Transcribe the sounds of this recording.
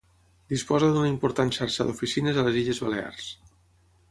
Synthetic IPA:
d̪̥ispɔzəðunəimpuɾt̪anʃaɾʃaðufisinəzaləziʎəzβalea̰rs

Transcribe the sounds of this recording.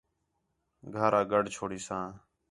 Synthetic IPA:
ɡʱəɾaːɡəɖt͡ʃʰoːɽiːsãː

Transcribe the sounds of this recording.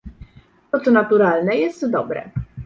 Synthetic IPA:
t̪ɔt̪sɔnat̪uɾalnɛjɛst̪d̪ɔbɾɛ̰

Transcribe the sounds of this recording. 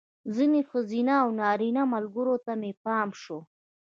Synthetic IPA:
zinexʊzinaːwnɑɾinamalɡəɾot̪amepɑːmʃo

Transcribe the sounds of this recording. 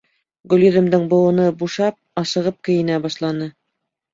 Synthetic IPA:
ɡɵ̆lʲjɵ̆ðɘ̆md̪ɘŋbŏwˠɤ̆nɤbuʃɑp̚ɑsɤ̆ʁɤp̚kɘ̆jɘ̆næbɑʃlˠɑnɤ

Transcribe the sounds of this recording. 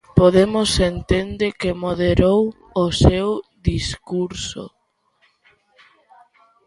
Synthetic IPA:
poðemʊsent̪end̪ekemoðeɾow | osewðiskuɾso̰

